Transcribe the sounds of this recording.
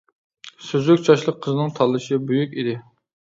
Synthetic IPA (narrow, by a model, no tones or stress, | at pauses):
søzykʲt͡ʃʰɑʃlˠəqʰːəzɨnɨŋt̪ʰɑlˠːɨʃɪbyjykʲid̪ɪ